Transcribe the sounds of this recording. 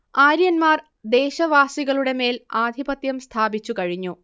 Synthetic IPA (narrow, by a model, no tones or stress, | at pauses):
aːɾjɐnmaːr | d̪e̞ːɕɐʋaːsiɣɐɭuɽe̞me̞ːlaːd̪ʱibɐt̪jɐmst̪ʰaːbit͡ɕːukɐɻiɲːu